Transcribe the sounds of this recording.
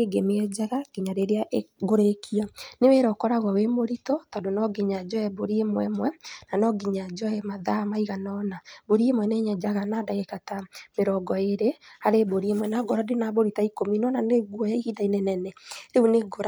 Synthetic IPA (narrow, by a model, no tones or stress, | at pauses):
eɡemeɛd͡ʒaɣaɡ̥iɲaɾeɾeaʔɡoɾekʰianeweɾɔkɔɾaɣwawemoɾitɔtɔdonɔɡiɲad͡ʒɔɛboɾiemwɛmwɛnanɔɡiɲad͡ʒɔɛmaðamaiɣanɔnaboɾiemwɛneɲɛd͡ʒaɣanadaɣekatameɾɔɡɔeɾehaɾeboɾiemwɛnaɡɔɾɔdenaboɾitaikominɔnaneɣwɔjaiɣidainɛnɛnɛɾeuneɡoɾa